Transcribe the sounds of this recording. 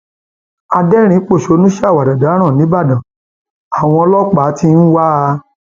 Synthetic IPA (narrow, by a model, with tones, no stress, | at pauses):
a˧dɛ˦ɾ̃ĩ˨˦k͡po˦˨ʃo˨˦nũ˦ʃa˦˨wa˨da˨da˨˦ɾ̃ã˦˨nĩ˨˦ba˦˨dã˨ | a˨w̃ɔ̃˧ɔ˧lɔ˦k͡pa˨˦ti˦˧n̩˦wa˦˧